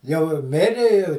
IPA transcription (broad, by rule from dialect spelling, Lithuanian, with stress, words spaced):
jɛʊ ɪ ˈmʲɪrʲɪ ɪ